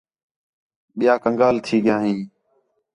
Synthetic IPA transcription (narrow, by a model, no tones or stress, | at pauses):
ɓɪjaːkəŋɡaːlt̪ʰiːɠɪjãːɦĩː